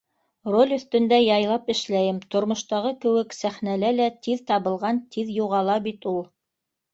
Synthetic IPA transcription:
rolʲɵ̆θt̪ɵ̆nd̪æjɑjlˠɑpɘ̆ʃlæjɘmt̪ŏɾmŏʃt̪ɑʁɤkɘ̆wɘksæχnælælæt̪iðt̪ɑβɤ̆lˠʁɑnt̪ʰiðjuʁɑlˠɑbit̪ulˠ

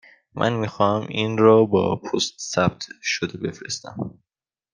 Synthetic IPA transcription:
mʔæ̰nmiːxɒːhæminɾɒːbɒ̰ːpʰost̪sæbt̪ʰʃod̪ebe̞fɾe̞st̪æ̰m

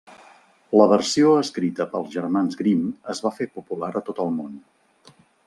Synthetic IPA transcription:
ləβ̞ərsioəskɾit̪əpəlˠzʒərmanzɣɾiməzβafepupulaɾət̪ot̪əlˠmon

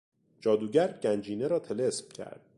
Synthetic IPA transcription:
d͡ʒɒːd̪uːɟæɾɟænd͡ʒiːneɾɒːt̪ʰe̞lesmcʲʰæ̰ɾd̪̥̚

